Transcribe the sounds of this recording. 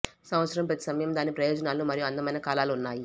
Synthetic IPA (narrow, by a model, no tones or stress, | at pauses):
sɐmʋɐt̪sɐɾɐmpɾɐt̪i̥sɐmɐjɐmd̪aːnipɾɐjɔːd͡ʒɐnaːluːmɐɾijuɐnd̪ɐmɐjnɐkaːlaːlunːaːji